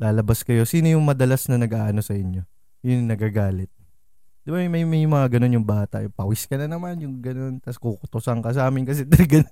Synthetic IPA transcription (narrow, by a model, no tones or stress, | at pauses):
laːlɐbaskɐjo̞siːno̞jʊŋmɐd̪ɐlasnɐnɐɡʔaːʔɐno̞sɐʔɪɲjo̞ | jʊnnɐɡaɡaːlɪt̪̚ | d̪̥ɪbamɐjmɐjmɐŋaɡɐno̞njʊŋbaːt̪ɐʔpɐwɪskɐnɐnɐmanjʊŋɡɐno̞nt̪ɐskukʊt̪ʊsɐŋkɐs̬aːmɪnkɐs̬ɛd̪ɐlɡɐno